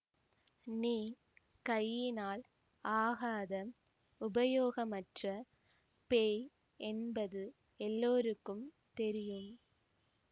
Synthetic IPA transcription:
niː | kɐjːɪnaːl | ʔaːɣaːðɐm | ʊbɐjoːɣɐmɐʈrɐ | peː | ʔɛnbɐðɯ | ɛlːoːɾɯkːɯm | t̪ɛɾɪjɯm

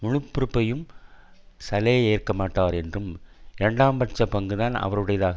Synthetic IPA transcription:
mʊɻɯpːʊɾɯpːɐjɯm | sɐlɐjeːrkɐmaːʈːaːɾɛndrɯmɪɾɛɳɖaːmbɐʈ̚t͡ʃɐpɐŋɡɯðaːnɐ̰ʋɐɾɯɽɐjɐðaːɣɐ

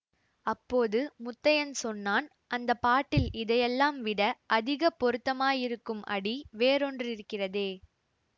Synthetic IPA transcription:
ɐpːoːðɯmʊt̪ːɐjɐnsɔnːaːn | ʔɐnd̪ɐpːaːʈːɪlɪðɐjɛlːaːmʋɪɽɐʔɐðɪɣɐpːɔɾɯt̪ːɐmaːjɪɾɯkːɯmɐ̰ɽiʋeːɾɔndrɪɾɯkːɪrɐðeː

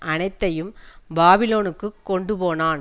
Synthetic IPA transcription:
ʔɐnɐɪt̪ːɐjɯmbaːbɪloːnɯkːɯkːɔɳɖɯpoːnaːn

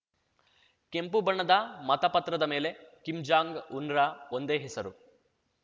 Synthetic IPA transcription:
kempubɐɳːɐd̪ɐmɐt̪ɐpɐt̪ɾɐd̪ɐmeːle̞kimd͡ʒaːŋɡunɾaond̪eːɦesɐɾu

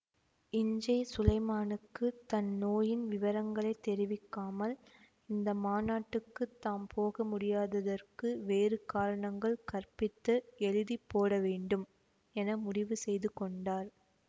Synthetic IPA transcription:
ɪɲd͡ʒɐɪsʊlɐɪmaːnɯkːɯt̪ɐnːoːjɪnʋɪʋɐɾɐŋɡɐɭɐɪt̪ːɛɾɪʋɪkːaːmɐl | ɪnd̪ɐmaːnaːʈːɯkːɯt̪ːaːmpʰoːɣɐmʊɽɪjaːðɐðɐrkɯʋeːrɯkaːɾɐɳɐŋɡɐɭkɐrpɪt̪ːɐɛɻɯðipːoːɽɐʋeːɳɖɯm | ɛnɐmʊɽɪʋɯsɛjðɯkɔɳɖaːɾ

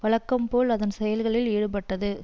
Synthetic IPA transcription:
ʋɐɭɐkːɐmpoːlɐðɐnsɛjɐlɣɐɭɪliːɽɯpɐʈːɐðɯ

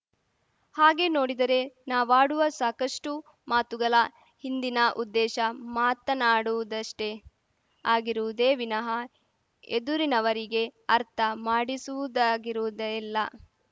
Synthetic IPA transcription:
haːɡe̞no̞ːɽid̪ɐɾe̞naːʋaːɽuʋɐsaːkɐʂʈu | maːt̪uɡɐlɐ | hind̪inɐʔud̪ːɛːʃɐmaːt̪ɐnaːɽuʋud̪ɐʂʈe̞ | aːɡiɾuʋud̪eːʋinɐɦɐ | ed̪uɾinɐʋɐɾiɡe̞ɐɾt̪ʰɐmaːɽisuʋud̪aːɡiɾuʋd̪ɐɛlːɐ

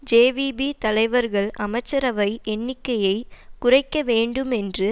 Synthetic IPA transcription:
d͡ʒeːʋibit̪ɐlɐɪʋɐɾɣɐɭʔɐmɐɪt͡ʃːɐɾɐʋɐɪʔɛɳːɪkːɐjɐɪkʊrɐɪkːɐʋeːɳɖɯmɛndrɯ

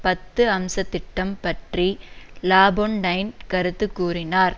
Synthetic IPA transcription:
pɐt̪ːɯɐmsɐt̪ːɪʈːɐmpɐʈrilaːboɳɖɐɪnkɐɾɯt̪ːɯkːuːrɪnaːɾ

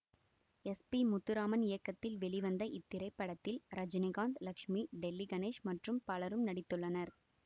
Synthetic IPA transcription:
ɛspimʊt̪ːɯɾaːmɐnɪjɐkːɐt̪ːɪlʋɛɭɪʋɐnd̪ɐʔɪt̪ːɪɾɐɪpːɐɽɐt̪ːɪlɾɐd͡ʒɪnɪɣaːnd̪lɐkʂmiɖɛlːiɡɐneːʂmɐʈrɯmpɐlɐɾɯmnɐɽɪt̪ːɯɭːɐnɐɾ

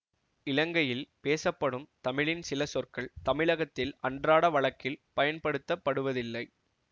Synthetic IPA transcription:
ɪlɐŋɡɐjɪlpeːsɐpːɐɽɯmt̪ɐmɪɻɪnsɪlɐsɔrkɐɭt̪ɐmɪɭɐɣɐt̪ːɪlɐɳdraːɽɐʋɐɭɐkːɪlpɐjɐnpɐɽɯt̪ːɐpːɐɽɯʋɐðɪlːɐɪ

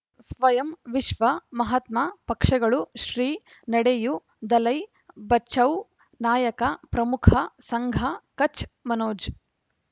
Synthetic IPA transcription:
sʋɐjɐmʋiʃʋɐmɐɦɐt̪mɐpɐkʂɐɡɐɭuʃɾiː | nɐɽeju | d̪ɐlɐj | bɐt͡ʃʰɐw | naːjɐkɐpɾɐmukʰɐsɐŋɡʱɐkɐt͡ʃmɐnoːd͡ʒ

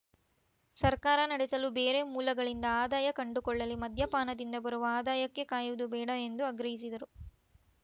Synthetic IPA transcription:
sɐɾkaːɾɐnɐɽesɐlubeːɾe̞muːlɐɡɐɭind̪ɐaːd̪aːjɐkɐɳɖukɔɭːɐlimɐd̪ʱjɐpaːnɐd̪ind̪ɐbɐɾuʋɐaːd̪aːjɐkːe̞kaːjuʋud̪ubɛːɽɐend̪uɐɡɾɐɦis̬id̪ɐɾu

